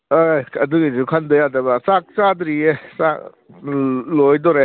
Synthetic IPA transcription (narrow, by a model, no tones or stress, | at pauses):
ojɐduɡisukʰandɐjadɐbɐsak̚t͡ʃadɾiesak̚ | lojdɔɾe